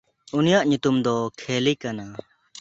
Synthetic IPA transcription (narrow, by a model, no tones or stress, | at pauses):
unijaʔɲut̪umd̪ɔkʰelikana